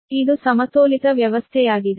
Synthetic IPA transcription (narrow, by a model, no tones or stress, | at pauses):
id̪usɐmɐt̪oːlit̪ɐʋjɐʋɐst̪ʰɛjaːɡid̪e